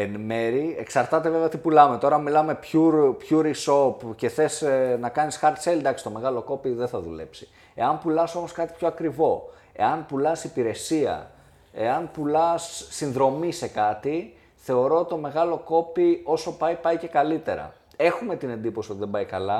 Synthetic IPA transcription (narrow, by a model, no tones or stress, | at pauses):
enme̞ɾie̞ksɐɾt̪ɐt̪e̞ve̞veɐot̪ipulɐme̞t̪o̞ɾɐmilɐme̞pçuɾpçuɾiso̞pce̞θe̞snɐkɐnisxɐɾt̪seld̪ɐksi̥t̪o̞me̞ɣɐlo̞ko̞piðenθɐðṵle̞̰psi̥ | e̞̰ɐnpulɐso̞mo̞skɐt̪i̥pço̞ɐkɾivo̞ | e̞̰ɐnpulɐsipiɾe̞siɐ̰ | e̞̰ɐnpulɐsːinðɾo̞mise̞kɐt̪i | θe̞o̞ɾo̞ot̪it̪o̞me̞ɣɐlo̞ko̞pio̞so̞pɐipɐjce̞kɐlit̪e̞ɾɐ̰ | e̞xume̞t̪ine̞nd̪iposio̞t̪iðembɐjkɐlɐ